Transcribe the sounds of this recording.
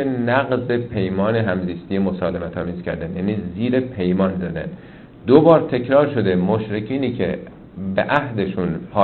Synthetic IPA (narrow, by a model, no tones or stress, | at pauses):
enæɣzepʰe̞jmɒːneɦæmziːst̪ije̞mosɒːlemæt̪ʰɒːmiːzcʲʰæɾd̪ænjæːniːziːɾe̞pʰe̞jmɒːnzæd̪æ̰n | d̪obɒːɾt̪ʰe̞cʰɾɒːɾʃo̞d̪e̞moʃɾe̞cʰiːniːcʰḛ | beʔæhd̪e̞ʃunpʰɒː